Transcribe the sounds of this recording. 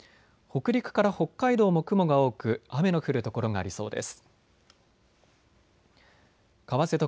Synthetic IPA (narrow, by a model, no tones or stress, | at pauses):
ho̞kɯ̟ɾʲikɯ̟̥kaɾaho̞kːaid̪o̞ːmo̞kɯ̟mo̞ɡao̞ːkɯ̟ame̞no̞ɸɯ̟ɾɯ̟t̪oko̞ɾo̞ŋaːɾʲiso̞̰ːd̪e̞̰sɨ̥ | kaβase̞t̪o